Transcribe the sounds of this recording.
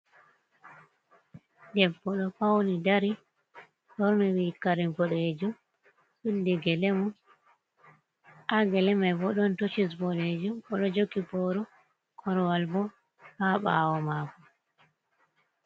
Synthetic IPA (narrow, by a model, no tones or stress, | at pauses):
dɛbːɔɗɔpawnidaɾi | ɗɔɾmiwikaɾinbɔɗɔed͡ʒum | ɓilːiɡɛlɛmu | ʔaɡɛlɛmajbɔɗɔntot͡ʃis̬bɔɗed͡ʒumɔɗɔd͡ʒoɡibɔɾu | kʰɔɾwalbɔ | haɓa̰ːwɔmakɔ